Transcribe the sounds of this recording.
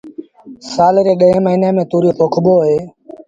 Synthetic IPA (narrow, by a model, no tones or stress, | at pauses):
saːlɾeːɗəẽːməiːneːmẽːt̪uːɾjoːpoːkʰɓoːɦeː